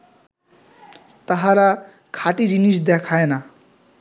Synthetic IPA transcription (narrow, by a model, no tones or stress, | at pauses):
t̪ʌɦãɾa | kʰaʈid͡ʒinisd̪ekʰaena